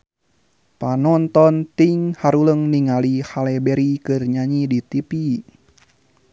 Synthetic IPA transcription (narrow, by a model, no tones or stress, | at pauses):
panɔnt̪ɔnt̪iŋhaɾuləŋniŋalihalɛbɛɾikɨrɲaɲidit̪ipi